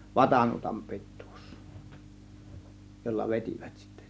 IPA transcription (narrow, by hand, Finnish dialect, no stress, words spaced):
ʋɑtɑnuotɑm pi̞tːu̥ːs jolːɑ ʋetʲiˑʋæ̥t si̥tːæ̥